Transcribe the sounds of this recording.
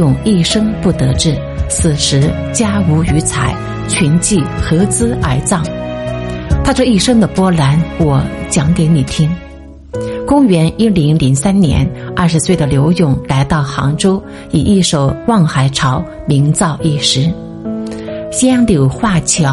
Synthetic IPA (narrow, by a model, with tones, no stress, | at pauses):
ʊ˨˩ŋi˥˩ʂɤ˥ŋpu˥˩t̪ɤ˧˥ʈ͡ʂɻ̩˥˩ | sʰɹ̩˨˩ʂɻ̩˧˥ | t͡ɕja˥u˧˥y˧˥t͡sʰa˧˩˦ɪ | t͡ɕʰy˧˥nt͡ɕi˥˩xɤ˧˥t͡sɹ̩˥ə˞˨˩t͡sɑ˥˩ŋ | t̪ʰa˥ʈ͡ʂɤ˥˧i˥˩ʂɤ˥ŋd̪ə˨pwɔ˥la˧˥nwɔ˨˧˩t͡ɕjɑ˧˥ŋke˧˥ɪni˨˩t̪ʰi˥ŋ | kʊ˥ŋɥɛ˧˥ni˥li˧˥ŋli˧˥ŋsa˥nnjɛ̰˧˥nɐ˥˩ʂɻ̩˧˥swe˥˩ɪd̪ə˩ljo˧˥ʊjʊ˥˩ŋla˧˥ɪt̪ɑ˥˩ʊxɑ̰˧˥ŋʈ͡ʂo˥ʊ | i˨˩ʔi˥˧ʂo˨˩ʊwɑ˥˩ŋxa˧˩ɪʈ͡ʂʰɑ˧˥ʊ | mi˧˥ŋt͡sɑ˥˧ʊʔi˥˩ʂɻ̩˧˥ | ɕi˥ɑ˥ŋljo˨˩ʊxwa˥˩t͡ɕʰjɑ˧˥